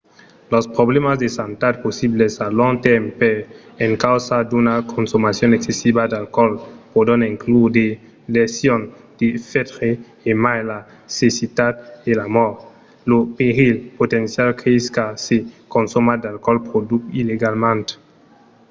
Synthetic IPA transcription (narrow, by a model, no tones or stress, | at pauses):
lɔspɾoblemasd̪esant̪at̪̚posiblesaloŋt̪ɛmpeeŋkawsad̪unakʰonsomasjoneksesibad̪alkɔlpodoneŋklud̪e | lesjond̪̥efet̪ɾeː | majla | sesit̪ad̪̚elamɔɾ | lopeɾilpot̪ensjalkʰeiskasekonsomad̪alkɔlpɾod̪ukileɡalmẽnt̪